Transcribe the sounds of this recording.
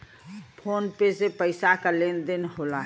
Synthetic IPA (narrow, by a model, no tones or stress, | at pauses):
pʰonpesepəɪsakalend̪inɦola